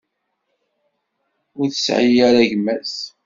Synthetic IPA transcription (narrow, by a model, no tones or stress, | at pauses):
ʊɾθəsʕijaɾaʝmːæs